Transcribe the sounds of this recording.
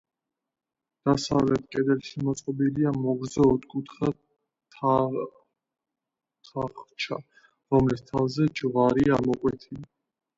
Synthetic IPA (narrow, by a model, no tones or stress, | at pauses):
d̪̥asavlɛt̪ʰkʼɛd̪ɛlʃimɔt̪sʼqʼɔbiliamɔɡɾzaud̪kʼut̪ʰχa | t̪ʰ | t̪ʰaχt͡ʃʰa | ɾɔmlist̪ʰavzɛd͡ʒvaɾiamɔkʼwɛt̪ʰili